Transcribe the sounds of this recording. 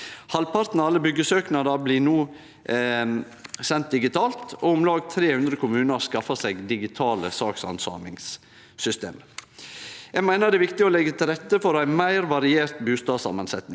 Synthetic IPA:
hɑlpʰɑɾt̪n̩ɑlːəbʏɡəsøːknɑd̪ɑblinuː | sɛnt̪̚d̪ɪɡɪt̪ʰɑːlt̪ɔʊmlɑːɡt̪ʰɾeːhʉnd̪ɾəkʰʊmʉːnəɾskɑfɑseɡd̪ɪɡɪt̪ʰɑːləsɑːksɑ̰nsɑ̰ːmɪŋs | sʏst̪ḛːm | jæmæɪnəd̪ɛːʋɪkt̪ɪɔlɛɡːət̪ʰɪlɾɛt̪ːəfɔɾæɪmæɪɾʋɑɾɪeːɾt̪bʉːst̪ɑːsɑ̰mənsɛt̪nɪŋ

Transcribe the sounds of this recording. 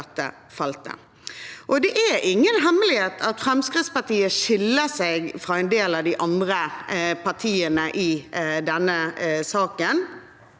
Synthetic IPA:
t̪ːə̰ | fɑlt̪ə̰ | ʔɔd̪ɛʔæɾʔɪŋːənɦɛmːəlɪheːt̪ʰɑt̪fɾɛmskɪt̪spɑt̪iːəʃɪlːəseːɡfʁɑːɛɪnd̪eːlɑʋd̪ɪʔɑnd̪ɾəpʰɑt̪ʰiːənəʔɪd̪ɛnːəsɑːkən

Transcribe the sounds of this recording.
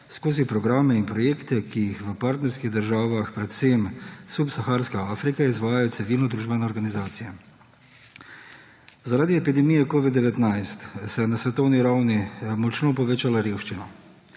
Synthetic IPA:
skoːzipɾɔɡɾaːmɛinpɾɔjeːkt̪ɛkijixʋəpaɾt̪nɛɾskiɣd̪əɾʒaːʋaxpɾɛt̪semsupsaxaːɾskaaːfɾikaizʋaːjajɔt̪sɛʋiːlnɔd̪ɾuːʒbɛnɛoɾɡanizaːt̪sijɛ | zaɾaːd̪iɛpid̪ɛmijɛkoːʋid̪̚d̪ɛʋɛt̪najst̪sɛnasʋɛt̪ɔwniɾawnimɔt͡ʃnoːpɔʋeːt͡ʃalaɾeːwʃt͡ʃinɔ

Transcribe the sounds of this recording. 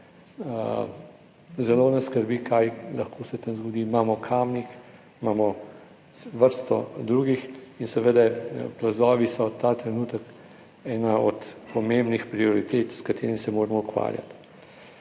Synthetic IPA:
zɛloːnɛskəɾbiːkʰajlɐxkoːsɛt̪amzɡɔd̪iːmaːmɔkʰaːmnik | imaːmɔ | ʋəɾst̪ɔ̰d̪ɾuːɡixinsɛʋeːd̪aplazɔːʋisɔt̪at̪ɾɛnuːt̪ək | ɛːnaɔt̪pɔmembnixpɾiɔɾit̪eːt̪skat̪ʰeːɾimsɛmoːɾɛmɔukʋa̰ːɾja̰t̪

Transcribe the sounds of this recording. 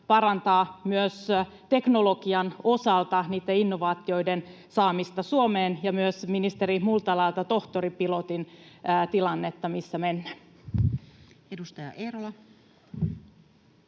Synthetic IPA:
pɑrɑnt̪ɑːmyøs | t̪e̞knolo̞kiɑno̞sɑlt̪ɑniːt̪ːeinːoʋɑːt̪io̞iden | sɑːmist̪ɑsuomeːnjɑmyøsminist̪eɾimult̪ɑlɑjlt̪ɑt̪o̞ht̪oripilot̪int̪ilɑnːet̪ːɑmisːæmenːæ | edust̪ɑjɑ̰ʔeɾolɑ

